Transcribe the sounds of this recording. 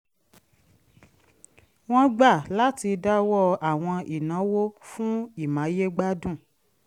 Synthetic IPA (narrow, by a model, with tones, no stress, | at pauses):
w̃ɔ̃˦ɡ͡ba˦˨la˨˦ti˧da˦wɔ˦˨a˨w̃ɔ̃˧i˨nã˨˦wo˦fũ˦i˦˨mã˨˦je˦ɡ͡ba˦dũ˦˨